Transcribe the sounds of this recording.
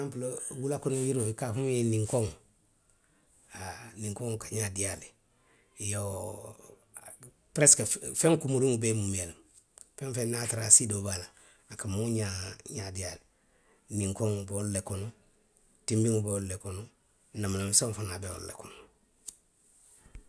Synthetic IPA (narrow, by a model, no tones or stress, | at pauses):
ampulowulakonojiɾoikafujeniŋkoŋ | anĩŋkoŋkaɲadiali | jo | pɾeskefẽŋkumuɾiŋubemumiel | fẽŋfẽnnataɾasidobala | akamuuɲaɲadiali | nĩŋkoŋbeollekonu | timbiŋubeollekonu | namalemsaŋfanabeo̰llḛkono